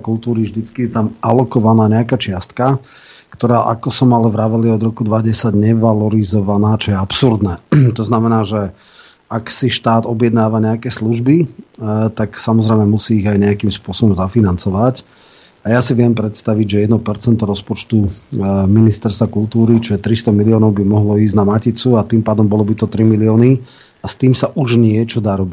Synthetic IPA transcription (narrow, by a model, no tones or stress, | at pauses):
kulˠt̪uːɾivʒd̪it͡skijɛt̪amʔalɔkɔʋanaːɲɛakaːt͡ʃɪast̪ka | kt̪ɔɾaːʔa̰kɔsɔmalɛvɾaʋɛliɔd̪ɾɔkud̪ʋaɟɛsaɟɲɛʋalɔɾizɔʋanaːt͡ʃɔjɛapsuɾd̪nɛːt̪ɔznamɛnaːʒɛ | aksiʃt̪aːd̪ɔbjɛd̪naːʋaɲɛakɛːsluʒbi | t̪aksamɔzɾɛjmɛmusiːɣajɲɛakiːmspʊɔsɔbɔmzafinant͡sɔʋac | ajasiʋɪɛmpɾɛt̪st̪aʋiɟʒɛjɛd̪nɔpɛɾt͡sɛnt̪ɔɾɔspɔt͡ʃt̪uminist̪ɛɾst̪vakult̪uːɾit͡ʃɔɛt̪ɾist̪ɔmiliɔːnɔʊbimɔɦlɔiːznamacit͡suat̪impaːd̪ɔmbɔlɔbit̪ɔt̪ɾimiliɔːni | ast̪iːmsaʔuʒɲɪɛt͡ʃɔd̪aːɾɔbic